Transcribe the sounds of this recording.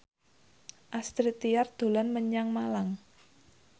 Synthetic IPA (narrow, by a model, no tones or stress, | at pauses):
ʔast̪ɾit̪ijard̪̥o̤lanməɲaŋmalaŋ